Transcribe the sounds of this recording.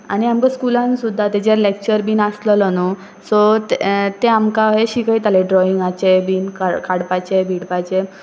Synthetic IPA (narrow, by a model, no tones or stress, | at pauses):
añiamkəskulãnsud̪ʱːat̪ed͡ʑeɾlek̚t͡ɕəɾbiːnaslələnu | sɔt̪t̪eamkaɦeɕikəit̪aleɖɾɔiŋɡat͡ɕebiːnkakaɽpat͡ɕebʱiɽpajt͡ɕe